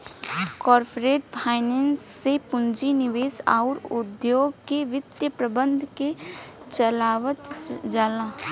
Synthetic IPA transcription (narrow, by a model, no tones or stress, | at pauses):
kɔːɾpɾeːʈpʰaːɪnɛːnsːepʊnd͡ʒinɪʋeːsa̰ːɾʊd̪joːɡkeʋɪt̪jəpɾəbə̃nd̪ʱket͡ʃəlaːʋət̪d͡ʒaːlãː